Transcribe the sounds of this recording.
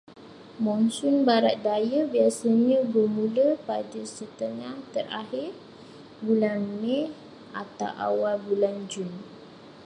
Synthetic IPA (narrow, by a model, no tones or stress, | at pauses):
mɔ̃nsʊnbaɾat̪̚dajabiasaɲãbərmũləpadəsət̪əŋaht̪əɾa̰ɦɪr | bulanːe | at̪awʔa̰walbuland͡ʒun